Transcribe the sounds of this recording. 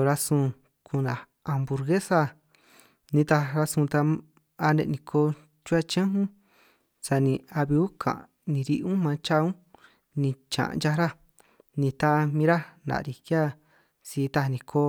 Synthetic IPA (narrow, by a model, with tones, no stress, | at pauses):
ɾa˧sũ˧ | kʰu˧nã˨ | a˧mbu˧ɾɣe˦sa˧ | nĩ˧t̪a˧ɾa˧sũ˧t̪a˧ | a˧nḛ̃˧nĩ˧kʰo˧ | t͡ʃu˦a˧t͡ʃẽ˦ɦũ˦ | sa˧nĩ˧a˧βi˧u˦kʰã̰˨ | nĩ˧ɾi˧ʔũ˦mã˧t͡ʃa˦ũ˦ | nĩ˧t͡ʃã̰˨ʔnd͡ʒa˧˦ɾa˦ | nĩ˧t̪a˦˧mĩ˧ɾa˦nã̰˨˧ɾi˧kja˦ | si˧˦˧t̪a˧nĩ˧kʰoː˧˦